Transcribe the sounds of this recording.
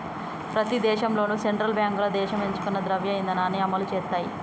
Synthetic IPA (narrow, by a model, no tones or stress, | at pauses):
pɾɐt̪id̪ɛːʃɐmlo̞ːnuːseɳʈɾɐlbjaːŋkulɐd̪ɛːʃɐme̞ɲt͡ʃu̥kunːɐd̪ɾɐʋjɐjind̪ɐnaːniɐmɐlut͡ʃɛːt̪ːaːjḭ